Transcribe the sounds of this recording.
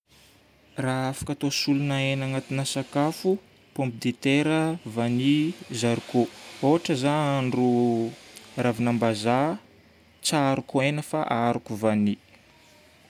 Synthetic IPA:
raafḁkat̪osulunaenaŋat̪inəsakafu | põmpid̪et̪eɾəvanizaɾukooɦaʈ͡ʂəzaaɳɖ͡ʐu | ɾavinambaza | t͡saɾukuenəfa̰ʔaɾukuvani

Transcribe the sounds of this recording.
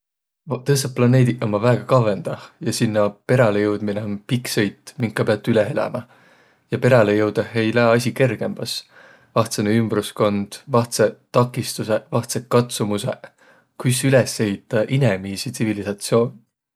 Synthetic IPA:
t̪ɤst̪ɑp̚plɑne̞ːd̪iʔɑmːɑvæːɡ̥ɑkɑve̞nd̪̥ɑjɑsinːɑpe̞ɾɑlejɤwd̪̥mineonpiksejt̪ˑːmiŋkːˑɑpeɑt̪ːˑyleɦelɑ̰mʔɑ | jɑpe̞ɾɑlejɤwd̪̥ehejlæːɑs̬ʲike̞rɡ̥e̞mb̥ɑs | vɑht̪seneymb̥rusko̞nd̪̥vɑht̪set̪ːɑkːˑist̪use̞vɑht̪set̚kɑt̪sumuse̞ | kujsylese̞ɦit̪ːˑɑʔinemiːsit̪sivilisɑt̪sjo̞ːn

